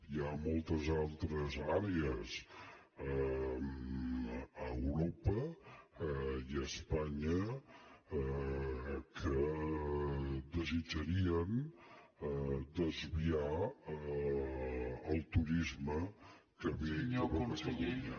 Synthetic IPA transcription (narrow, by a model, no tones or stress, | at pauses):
iamɔlˠt̪əzalˠt̪ɾəzaɾeəs | əwɾopə | iəspaɲə | kʰə | d̪əzid͡ʒəɾiən | d̪əzβia | əlˠt̪uɾizmə | kəβeəβəsəlunə